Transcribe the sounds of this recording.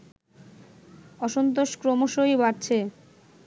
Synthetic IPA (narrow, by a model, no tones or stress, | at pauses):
ɔʃont̪̬oʃkɾomoʃojbaɾt͡ɕʰe